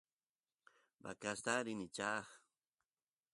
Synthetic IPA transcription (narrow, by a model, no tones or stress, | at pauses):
ba̰kast̪aɾɪnɪt͡ʃaχ